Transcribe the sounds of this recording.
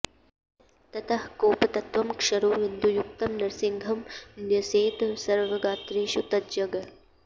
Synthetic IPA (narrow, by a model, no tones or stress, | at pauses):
t̪ɐt̪ʰɐhkoːpɐt̪ɐt̪ʋɐmkʂɐɾoːʋɪnd̪ʱujuk̚t̪ɐmnɐɾsɪŋɡʱɐmnjɐseːt̪sɐɾʋɐɡaːt̪ɾeːʃut̪ɐd͡ʒɐɡɐ